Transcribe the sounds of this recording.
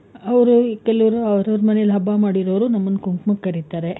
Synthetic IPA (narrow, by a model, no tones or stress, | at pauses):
ɐʋɐɾukɛlɐʋɐɾuɐʋɾɐʋɾmɐnejɐlɦɐbːaːmaːɽiɾoʋɾunɐmːɐnːkuŋkmɐkːɐɾit̪aːɾe